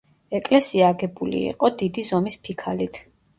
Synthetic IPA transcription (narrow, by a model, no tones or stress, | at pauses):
ɛkʼlɛsiaːɡɛbulḭḭqʼɔd̪id̪izɔmispʰikʰalit̪ʰ